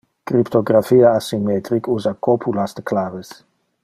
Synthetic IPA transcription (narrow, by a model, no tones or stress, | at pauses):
kɾipt̪oɡɾafiaːsimɛt̪ɾikuzakopʰulast̪ə̥klaves